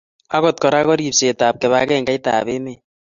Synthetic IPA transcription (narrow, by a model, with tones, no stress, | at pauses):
a˦ɣɔ˨t̚kɔ˨ɾa˦kɔ˦ɾi˨pse˨taː˨p̚kɛ˨βa˨˦kɛ˦ŋɡa˦i˦ta̰ː˨βe˦me˨